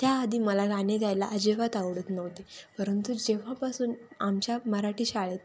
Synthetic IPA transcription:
t̪jaːd̪iːməlaɡaneɡʱajlaʔəd͡ʑeʋat̪aʋɽət̪nəʋt̪epəɾənt̪ud͡ʑeʋ̤apasuːnamt͡ɕjaməɾaʈiːɕaɭet̪

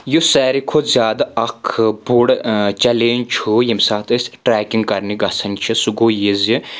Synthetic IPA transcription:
jusɛːɾikʰozʲjaːd̪aɐkʰbuɽt͡ʃɐleːnt͡ʃʰujimsaːt̪ɐsʲʈɾɛːkʲiŋɡkɐɾniɡɐsɐnʲt͡ʃʰisuɡoːjizi

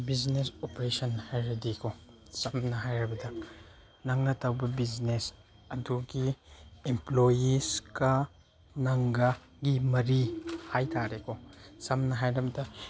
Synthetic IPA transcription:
biznesopɾesɐnhajɾɐdikʰosɐmnɐɦajɾɐbɐdɐ | nɐŋnɐtɐwbɐbiznes | ɐduɡiemplojiskɐ | nɐŋɡɐ | ɡimɐɾihajtʰaɾekʰosɐmnɐɦajɾɐbɐdɐ

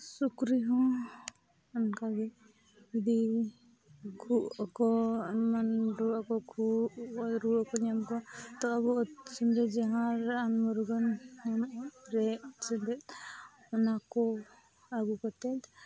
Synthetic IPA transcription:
sukɾiɦɔ̃ | ankaɡɛ | id̪i | kʰukɔmanɾuakɔkʰu | ɾuakɔniamkɔt̪ɔabusindɛd͡ʒaɦãɾanmɔɾuɡɔnɔmɾɛsindɛt | ɔnakɔ | aɡukɔt̪ɛt̪

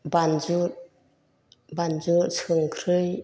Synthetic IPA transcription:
banzuɾ | banzuɾsʰɯŋkʰɾɯj

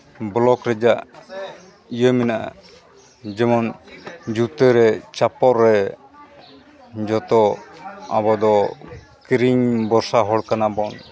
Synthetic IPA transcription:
blɔkɾɛd͡ʒaʔ | ijəmɛnaa | d͡ʒɛmɔnd͡ʒut̪əɾɛt͡ʃapɔɾːɛ | d͡ʒɔt̪ɔ | a̰bɔd̪ɔ | kɾiɲbɔɾsaɦɔɽkanabɔn

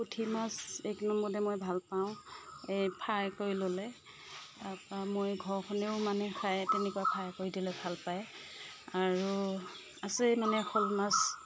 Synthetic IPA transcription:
kutʰimaseknɔmbɔdɛmojbʱalpaʊ̃epʰaɹkoɹilolɛ | apamojɡʱɔɹxʰɔneʊmanɛkʰajtɛnɛkuapʰaɹkoɹidilɛbʱalpaj | aɹu | asɛmanɛxolmas

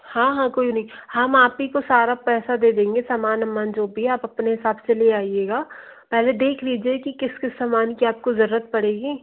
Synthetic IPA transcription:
hãːɦãːkoːinɐɦĩhɐmaːpikosaːɾapɛːsad̪eːd̪ẽːŋɡesaːmaːnɐmːaːnd͡ʒoːbʱiaːpɐpneɦɪsaːbseleːaːieːɡaː | pɛɦled̪eːkʰlid͡ʒiekikɪskɪsːaːmaːnkiaːp̚kozɐɾuːɾət̪̚pɐɽeːɡiː

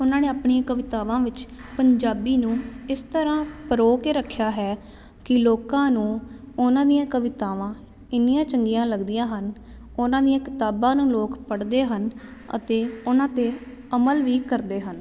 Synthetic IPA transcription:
ʊnãːneːaːpɳiãːkəʋɪt̪aːʋãːʋɪt͡ʃpəɲd͡ʒaːbiːnũːɪst̪əɾãːpəɾoːkeːɾəkʰːjaːɦɛː | kɪloːkãːnũː | ʊnãːd̪ijãːkəʋɪt̪aːʋãː | ɪnɪjãːt͡ʃəŋɡijãːləɡd̪ijãːɦən | ʊnãːd̪ijãːkɪt̪aːbãːnũːloːkpəɽd̪eːɦənə̰t̪eːʊnãːt̪eː | əməlʋiːkəɾd̪eːɦən

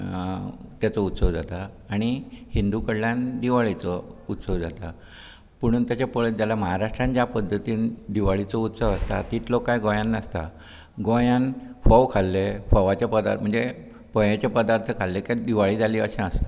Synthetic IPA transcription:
t̪jat͡sɔut̪səʋd͡zat̪aː | ɽ̃ihind̪ukəɽljand̪iʋaɭit͡sɔut̪səʋd͡zat̪a | pəɽ̃uːnt̪jat͡ɕapəɭed͡zalaməɦaɾaʂʈɾãnt͡ɕjapəd̪ʱːət̪iːnd̪iʋaɭit͡sɔut̪səʋast̪a̰t̪it̪lokːajɡõjãnːəst̪a̰ | ɡõjanfɔʋkʰalːefɔʋat͡ɕapəd̪a̰m̤əɳd͡ze | pəjat͡ɕapəd̪aɾt̪ʰəkʰalːekad̪iʋaɭiːd͡zaliə̰ɕẽəst̪ḁ

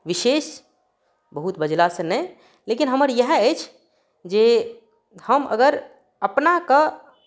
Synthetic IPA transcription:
ʋiʃeːʃ | bəɦut̪bəd͡ʒlasə̃nɛj | lekinɦəməɾjəɦət͡ʃʰ | d͡ʒe | həmə̰ɡəɾ | əpnakə

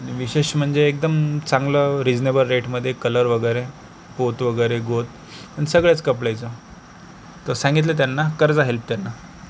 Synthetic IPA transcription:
ʋiɕeɕm̤əɳd͡zeːk̚d̪əmt͡saŋɡləːɾid͡znebəlɾeʈməd̪ʱːjekələɾʋəɡəɾe | pot̪ʋəɡəjɾeɡot̪̚ | aɽ̃isəɡɭjat͡skəp̬ɭajt͡sə | t̪əɾsãŋɡit̪̬lət̪̬janːakəɾd͡zaɦelp̚t̪janːa

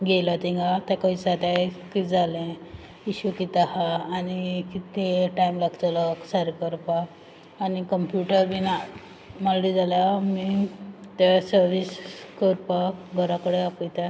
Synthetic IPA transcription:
ɡelat̪ĩŋɡat̪ãkɔit͡sat̪akid͡zalɛ̃ | iɕukit̪ahaːnikit̪eʈaimlaɡt̪alɔksaɾkəɾpaː | nikəmpjuʈəɾbina | malɽid͡zalamit̪asəɾʋiskəɾpaɡʱəɾakəɽeapijt̪a

